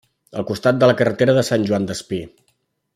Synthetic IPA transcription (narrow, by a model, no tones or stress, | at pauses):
ə̰lˠkust̪at̪̚d̪ələkərət̪eɾəðəsanʲʒuand̪əspi